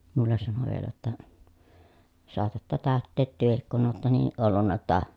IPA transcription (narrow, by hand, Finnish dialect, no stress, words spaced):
mulːen sɑno ʋielæ jotːɑ soɑtɑtːɑ tæˑøtːeːt tyøhik kun oːtːɑ niːʔ ʔolːunːɑ jotːɑ